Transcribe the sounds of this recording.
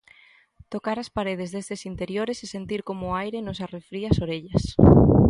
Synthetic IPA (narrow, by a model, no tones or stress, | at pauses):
t̪okaɾaspaɾeð̞ezðest̪esint̪eɾjoɾesesent̪iɾkomʊajɾenosarefɾiɐsoɾeʎɐs